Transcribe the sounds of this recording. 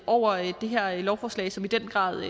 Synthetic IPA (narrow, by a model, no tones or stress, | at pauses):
ʔɒʊ̰ɐd̥e̝ɦæɐ̰lɒʊfɒːslɛ̰ɪsɒ̽mid̥en̰ɡ̥ʁɑ̰̈ːðˠ